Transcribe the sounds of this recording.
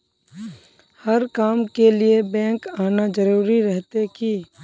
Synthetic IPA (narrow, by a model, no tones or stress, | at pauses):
hɐɾkaːmkeliebɛ̃ːŋkaːnad͡ʒəɾuːɾiɾɛɦt̪eki